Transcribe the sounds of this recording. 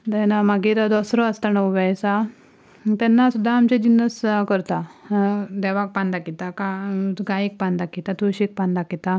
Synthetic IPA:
d̪ɛnamaɡiɾad̪ɔsɾɔəst̪anəʋʋajsa | t̪ɛnːasud̪ʱːaːmt͡ɕẽd͡ʑinːəskəɾt̪a | d̪ɛʋak̚pãnd̪akit̪akaɡaek̚pãnd̪akɛt̪at̪ʰoɕek̚pand̪akɛt̪a

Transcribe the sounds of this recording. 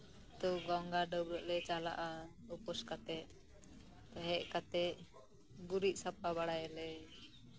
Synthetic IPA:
t̪ɔɡɔŋɡaɖəbɾəʔlɛt͡ʃala̰ʔaupɔskat̪ɛʔ | t̪aɦɛʔkat̪ɛʔ | ɡuɾiʔ̚ˀsap̚abaɽajɛlɛ

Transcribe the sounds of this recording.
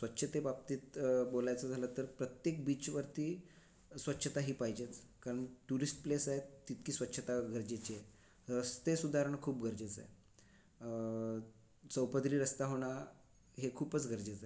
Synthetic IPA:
sʋətːɕʰət̪ebap̚t̪iːt̪bolajt͡sad͡zʱalət̪əɾpɾət̪jekbiːt͡ɕʋəɾt̪iː | sʋətːɕʰət̪aɦiːpajd͡ʑet͡skaɾəɳʈuɾisʈ̚plesajet̪ːit̪kiːsʋət̪ːɕʰət̪aɡʱəɾd͡ʑet͡ɕie | ɾəst̪esud̪ʱaɾəɳkʰuːpɡʱəɾd͡ʑet͡sa̰j | səwpəd̪ɾiːɾəst̪aɦoɽ̃a | ɦekʰuːpət͡sɡʱəɾd͡ʑet͡sae

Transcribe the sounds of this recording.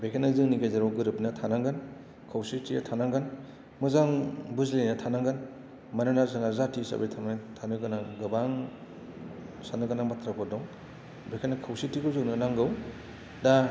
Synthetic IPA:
bekʰenazɯŋniɡajzaɾɔwɡɯɾɯpnatʰanaŋɡɯn | kʰawsitʰijatʰanaŋɡɯn | mɯzaŋbuzlejnatʰanaŋɡɯn | mananazɯŋazatʰisa̰bḛjtʰamtʰanɯɡɯnaɡɯbaŋ | sanɯɡɯnamatʰɾakʰɔdɔŋ | bekʰenakʰawsitikɯzɯknɯnaŋɡɯw | da

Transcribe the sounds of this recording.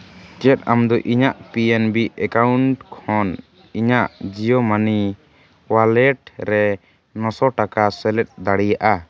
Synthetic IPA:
t͡ʃɛt̪̚amd̪ɔʔiɲaʔpiɛnbiɛkauɳʈkʰɔn | iɲaʔd͡ʒijɔmani | walɛʈɾɛ | nɔsɔʈakasɛlɛt̚d̪aɽijaʔa

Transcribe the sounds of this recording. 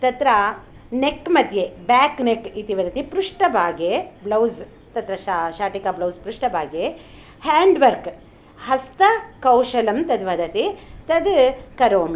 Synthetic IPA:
t̪ɐt̪ɾɐ | nekːmɐd̪ʱjebaːknekit̪iʋɐd̪ɐt̪ipɾuʂʈɐbʱaːɡeblɐwz | t̪ɐt̪ɾɐʃaʃaːʈikablɐwzpɾuʂʈɐbʱaːɡje | haːɳɖʋɐɾk | hɐst̪ɐkɐwʃɐlɐmt̪ɐd̪ʋɐd̪ʱɐt̪it̪ɐd̪kɐɾoːmi

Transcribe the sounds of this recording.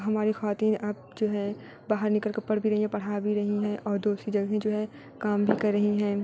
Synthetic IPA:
ɦɐmaːɾixɐʋaːt̪iːnaːp̚d͡ʒoːɦɛ | baːɦəɾnɪkəlkɐpːɐɽbʱiɾɐɦĩɦɛ̃pɐɽ̤abʱiɾɐɦiɦɛ̃ʔɔːɾd̪oːsɾid͡ʒɐɡɦẽd͡ʒoːɦɛ | kaːmbʱikɐɾːɐɦiɦɛ̃ː

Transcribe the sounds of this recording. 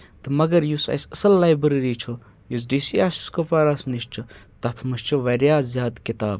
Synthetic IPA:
t̪ɨmɐɡɐɾjusɐ̰sɐsɐlːaːjbɾɾit͡ʃʰu | jus̬ɖisiːaːsi̥skopaːɾasniʃt͡ʃʰut̪ɐt̪ʰmɨʃt͡ʃʰuʋɐɾjaːzzjaːd̪kit̪a̰ːb

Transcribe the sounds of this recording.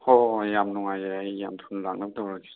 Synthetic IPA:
hɔjamnɔŋajajjamtʰunlak̚nak̚dawɾaki̥

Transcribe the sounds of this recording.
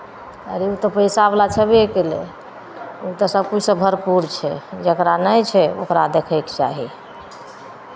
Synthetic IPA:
ə̰ɾeut̪ɔpəjsablat͡ʃʰɛbiekele | ut̪ɔsəb̚kud͡ʒʰsə̃bʱəɾpuɾt͡ʃʰɛd͡ʒəkɾanəjt͡ʃʰɛo̰kɾad̪ekʰəjkt͡ʃaɦi

